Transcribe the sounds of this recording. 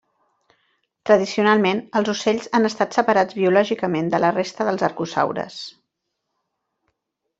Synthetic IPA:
t̪ɾəðisiunalˠmenəlˠzuseʎzanəst̪at̪səpəɾad͡zβiulɔʒikəmend̪ələrest̪əðəlˠzəɾkusa̰wɾə̰s

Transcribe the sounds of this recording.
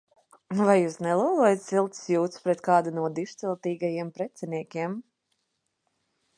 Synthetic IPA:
vajːuːsnɛlˠuɔlˠuɔjat̪silˠt̪sjuːt̪spɾɛt̪kɑːd̪anuɔd̪iʃt̪sɛlˠt̪iːɡajiɛmpɾɛt̪sɛniɛkʲiɛm

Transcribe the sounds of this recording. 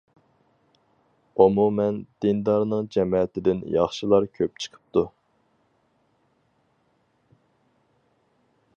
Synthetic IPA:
omumɛnd̪̥ɪnd̪ɑɾnɨŋd͡ʒɛmɛt̪ɪd̪ɪnjɑχʃilˠɑɾkʲʰøp̚t͡ʃʰə̥qʰə̥p̚t̪ʰu

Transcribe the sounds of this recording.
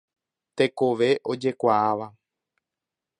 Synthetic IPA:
t̪e̞ko̞ʋe̞ʔo̞d͡ʒe̞kʷaaʋa

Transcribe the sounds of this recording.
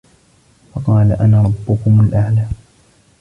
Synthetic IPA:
fɑqɑːlaʔanaːɾˤɑbːʊkʊmalʔaʕlaː

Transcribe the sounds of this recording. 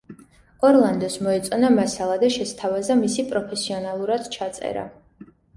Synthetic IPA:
ɔɾlˠand̪ɔsmɔɛt̪sʼɔnamasalˠad̪aʃɛst̪ʰavazamisipʼɾɔpʰɛsiɔnalˠuɾad̪̥t͡ʃʰat̪sʼɛ̰ɾa̰

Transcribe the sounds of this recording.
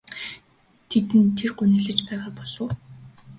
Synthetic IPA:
t̪ʰet̪ɘ̆nt̪ʰːerɢʊnɘ̆ːɮɘ̆t͡ɕpæːʁaːpɔɮ̥ŏː

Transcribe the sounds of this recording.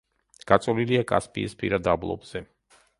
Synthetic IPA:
ɡ̥at̪sʼɔliliakʼa̰spʼḭːspʰḭɾad̪ablˠɔ̰bz̥ɛ

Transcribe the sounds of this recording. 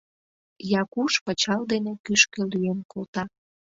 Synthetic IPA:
jɑkuʃpət͡ɕɑld̪enekyʃkelyenkolˠt̪ɑ

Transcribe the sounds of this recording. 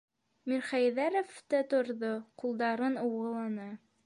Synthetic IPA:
miɾχæjðæɾoft̪æt̪ŏɾðoqulˠd̪ɑɾɤnowʁɤ̆lˠɑnɤ

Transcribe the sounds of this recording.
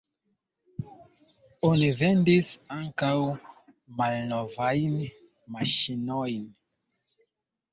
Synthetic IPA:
onivendisaŋkaw | malnovajn | maʃinojn

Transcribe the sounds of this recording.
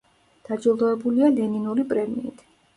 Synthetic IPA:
d̪̥ad͡ʒilˠd̪ɔɛbulialɛninuɾipʼɾɛmḭːt̪ʰ

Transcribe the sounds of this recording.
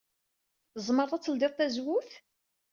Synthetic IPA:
zˤmərˤɑt͡sːəld̪ɪʁˤt̪æzwʊθ

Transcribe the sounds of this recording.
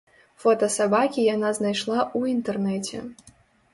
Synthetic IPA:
fɔt̪ɐsabakʲijanaznajʂlˠauint̪ɛrnɛt͡sʲɛ̰

